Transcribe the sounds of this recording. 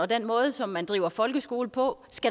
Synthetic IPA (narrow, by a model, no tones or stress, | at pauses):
ɒ̽d̥enmɔ̽ːð̩ˠsɒ̽mːænd̥ʁḭːʊɐfɒ̽lɡ̥əsɡ̥o̝ːl̩pʰɒ̽sɡ̥æ